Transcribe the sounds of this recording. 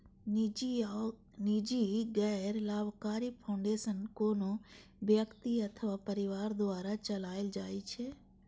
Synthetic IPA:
nɪd͡ʒiɡɛːɾlaːbkaːɾipʰãʊ̃ɳɖeːsənkoːnobjəkt̪iɐt̪ʰəʋapəɾɪʋaːɾd̪ʊʋaːɾat͡ʃəlaːɪld͡ʒaːit͡ʃʰɛː

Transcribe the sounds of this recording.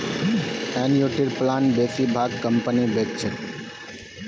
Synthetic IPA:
ɛnjuʈiɾplaːnbeːsibʱaːɡ̚kəmpənibʱekt͡ʃʰe

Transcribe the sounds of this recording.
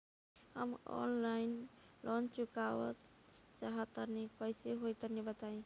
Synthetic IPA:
həmɔ̰nlainlʔɔnt͡ʃukawə̰tt͡ʃaɦət̪əɾnikɔjseɦojt̪əɾnibət̪aĩ

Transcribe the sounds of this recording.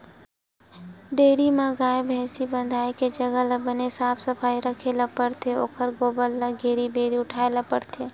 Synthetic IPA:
ɖeːɾimaɡaːebʱɛ̃ːsibə̃nd̪ʱaːeked͡ʒəɡələbənesaːpʰsəpʰaːiɾəkʰeːlapəɽt̪ʰeo̰ːkʰəɾɡoːbəlːəɡeːɾibeːɾiʊʈʰaːelapəɽt̪ʰe

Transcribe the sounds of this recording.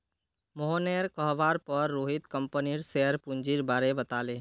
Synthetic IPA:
moɦoneɾkəɦʋaːɾpəɾːoːɦɪt̪kəmpəniɾseəɾpund͡ʒiɾbaːɾebət̪aːleː

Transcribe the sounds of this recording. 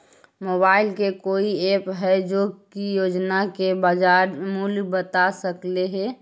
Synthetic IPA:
moːbaːɪlkekoːieːpɦɛd͡ʒokijoːd͡ʒnakebad͡ʒaːɾmulbət̪asəkleɦe

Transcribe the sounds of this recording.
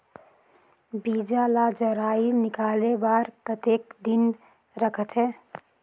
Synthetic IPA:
biːd͡ʒalaːd͡ʒəɾaːinɪkaːlebaːɾpɾət̪eːkd̪ɪn | ɾəkʰət̪ɦɛː

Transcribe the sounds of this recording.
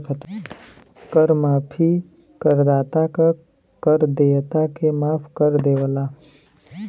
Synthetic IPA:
kʰət̪ | kəɾmaːpʰi | kəɾd̪aːt̪aka | kəɾd̪eːt̪akemaːpʰkəɾd̪eːwəlaː

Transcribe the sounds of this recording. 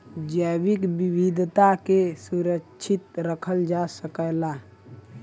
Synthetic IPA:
d͡ʒəbikbibid̪ʱt̪akesuɾəkt͡ʃʰit̪ɾəkʰəld͡ʒasəkəjla

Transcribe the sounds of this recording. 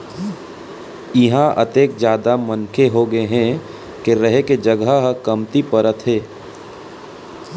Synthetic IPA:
ɪɦãʔə̰t̪eːk̚d͡ʒjaːd̪amənkʰeɦoɡəeɦɛ̃ | keɾəɦeked͡ʒəɡaɦkəmt̪ipəɾət̪ɦɛː

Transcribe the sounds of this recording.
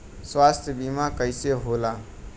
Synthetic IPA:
swast̪ʰjəbimakəɪseɦola

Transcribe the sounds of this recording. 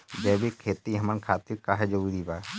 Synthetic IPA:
d͡ʒɛːbikʰeːt̪iɦəmənkʰaːt̪iɾkaːɦɛd͡ʒouɾibaː

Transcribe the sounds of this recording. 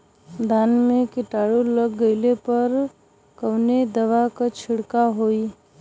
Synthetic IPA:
d̪ʱaːnmẽkɪʈaːɽoləɡːəɪlepɐɾ | kəwned̪ɐʋakat͡ʃʰɪɽkaɦoːiː

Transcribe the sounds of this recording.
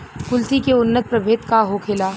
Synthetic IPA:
kʊlt̪ikeʊnːət̪̚pɾɐbʱeːt̪kaɦokʰeːlaː

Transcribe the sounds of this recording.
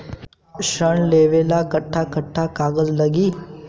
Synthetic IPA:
ɕəɳleʋelakəʈʰːakəʈʰːakaɡəzləɡiː

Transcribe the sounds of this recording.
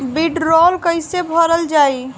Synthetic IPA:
biɖɾɔlkəjsebʱəɾəld͡ʒaj

